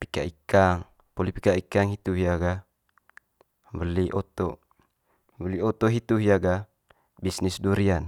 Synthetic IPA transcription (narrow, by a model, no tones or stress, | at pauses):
pi̥ka̰ikaŋ | polipikaikaŋit̪uɦijaɡa | bəliʔɔt̪ɔ | bəliot̪ɔʔɦit̪uɦijaɡa | bisnisduɾian